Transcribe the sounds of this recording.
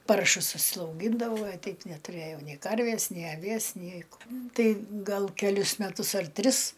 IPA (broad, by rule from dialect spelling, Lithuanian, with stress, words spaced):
ˈpɐrʃʊs ʊʃʲsʲɛʊˈɡʲiːndɐʋɐʊ ɐ ˈtʲɛɪp nʲɛˈtʊrɘjɛʊ nʲɛɪ ˈkɐrʲʋʲeːs nʲɛɪ ɐˈʋʲiɛs ˈnʲɛɪ k ˈtɐɪ ˈɡɐlˠ kʲɛˈlʲʊs mʲɛˈtʊs ɐr ˈtʲrʲɪs